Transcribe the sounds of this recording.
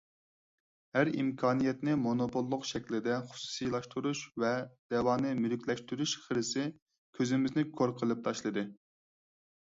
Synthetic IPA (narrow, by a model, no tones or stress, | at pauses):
hæɾḭmkʰɑːnijɛt̪nɪmonopʰolˠːʊqʃɛkʲlɪd̪ɛχʊ̥su̥sijlˠɑʃt̪ʰuɾuʃvɛd̪̥ɛwɑːnɨmylykʲlɛʃt̪yɾyʃχəɾɨsɪ | kʲʰøzɪmɪznɪkʰoɾqʰəlˠɨp̚t̪ʰɑʃlˠɨd̪ɨ